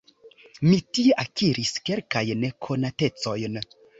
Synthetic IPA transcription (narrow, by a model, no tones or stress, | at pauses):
mitie̞ʔakiɾiske̞lkajnekʰo̞nate̞t͡so̞jn